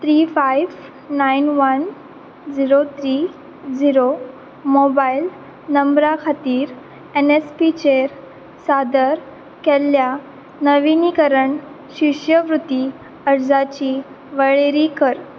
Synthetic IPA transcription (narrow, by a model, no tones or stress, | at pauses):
t̪ɾiːfajʋ | nainʋən | d͡ziɾot̪ʰɾi | d͡ziɾo | mobail | nəmbɾakʰat̪iːɾ | enespit͡ɕeɾ | sad̪əɾ | kɛlːja | nəʋinikəɾəɳ | ɕiʂjəʋɾut̪i | əɾd͡zat͡ɕiː | ʋəɭeɾikəɾ